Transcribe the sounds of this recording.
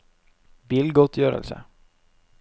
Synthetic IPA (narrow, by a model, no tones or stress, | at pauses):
biːlɡɔt̪ʰjøːɾə̰lsə̰